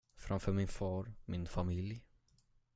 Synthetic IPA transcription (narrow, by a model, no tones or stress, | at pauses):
fɾʔamfœːɾmɪnfɑːɾmɪnfamɪlj